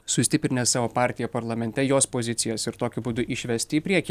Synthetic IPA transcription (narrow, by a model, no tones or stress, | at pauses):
sʊsʲt̪ʲɪpʲɾʲɪnʲɛssɑːʋoːpɑˑɾʲt̪ʲɪjɛpɐɾlˠɐmʲɛnʲt̪ʲɛjoːspoːzʲɪt̪sʲɪjɛsɪɾt̪oːkʲʊbuːd̪ʊʔɪʃʲʋʲɛsʲt̪ʲɪːpʲɾʲiɛkʲi